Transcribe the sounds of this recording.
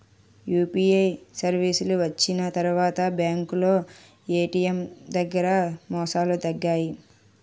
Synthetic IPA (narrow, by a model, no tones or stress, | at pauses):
juːpiːejsɐɾʋiːsuluʋɐt͡ʃːinɐt̪ɐɾuʋaːt̪ɐbjaːŋkulo̞ː | eːʈiːjemd̪ɐɡːɐɾɐmɔːsaːlut̪ɐɡːaːji